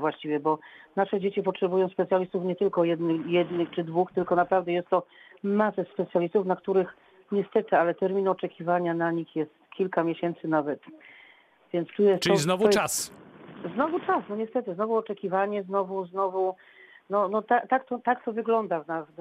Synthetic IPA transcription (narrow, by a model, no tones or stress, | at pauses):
vwaɕt͡ɕivʲjɛbɔnaʂɛd͡ʑet͡ɕipɔtʂɛbujɔ̃w̃spɛt̪sʲjalʲist̪ufɲɛt̪ɘlkɔjɛd̪nɘxjɛd̪nɘxt͡ʂɘd̪vuxt̪ɘlkɔnapɾavd̪ɛjɛst̪ːɔmasɛspɛt̪sʲjalʲist̪ufnakt̪uɾɘx | ɲɛst̪ɛt̪ɘalɛt̪ɛɾmʲinɔt͡ʂɛkʲivaɲanaɲixjɛst̪kʲʰilkamʲjɛɕɛnt̪sɘnavɛt̪ | vʲjɛnt̪st̪ujɛst̪ɔiznɔvasznɔvut͡ʂasnɔɲɛst̪ɛt̪ɘznɔvuɔt͡ʂɛkʲivaɲɛznɔvuznɔvu | nɔnɔt̪at̪akt̪ɔt̪akt̪ɔvɘɡlɔnd̪avnas